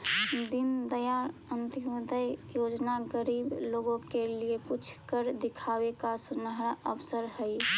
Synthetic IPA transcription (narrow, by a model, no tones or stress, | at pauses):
d̪ind̪əjaənt̪ijod̪əjjod͡ʒnaɡəɾibloɡõkeliekut͡ʃʰkəɾd̪ikʰabekasunəɦɾaʔəpʰsəɾɦəj